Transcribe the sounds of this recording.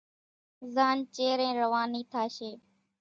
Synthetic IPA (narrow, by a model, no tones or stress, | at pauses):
zaːnt͡ʃeːɾɛ̃ːɾəʋaːniːt̪ʰaːʃeː